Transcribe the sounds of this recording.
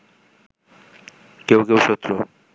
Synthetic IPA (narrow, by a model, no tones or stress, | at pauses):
kewkewʃot̪ːɾo